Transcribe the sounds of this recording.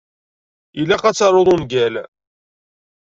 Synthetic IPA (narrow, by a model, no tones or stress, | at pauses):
ilːæqæt͡sːɑɾˤoðˤonɡæl